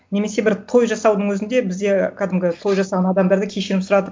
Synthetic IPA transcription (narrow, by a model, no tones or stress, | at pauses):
ne̞me̞se̞bɪɾt̪ʰo̞jʒɑsɑwd̪əɴwɵzɪnd̪e̞bɪzd̪e̞qʰɑd̪ɪmɡʲɪt̪ʰo̞jʒɑsɑʁɑnɑd̪ɑmd̪ɑɾd̪əkʲʰe̞ʃeɾɪpsʊɾɑd̪ə